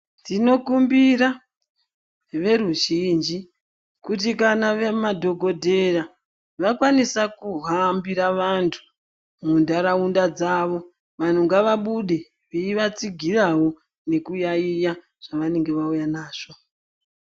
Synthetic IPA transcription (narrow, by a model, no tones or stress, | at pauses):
ndino̞kumbiɾa | ʋe̞ɾuʒind͡ʒi | kutikanaʋemadʱo̞ɡʱo̞dʱe̞ra | ʋakwanisakuɦambiɾaʋantʰu̥ | mundaɾaundad͡zaːʋo̞ | ʋan̤uŋɡaʋaɓuɗe | ʋeiʋat͡siɡʱirawo̞ | ne̞kujaija | ʐ̥aʋane̞ŋɡe̞ʋaujanaːʐ̥o̞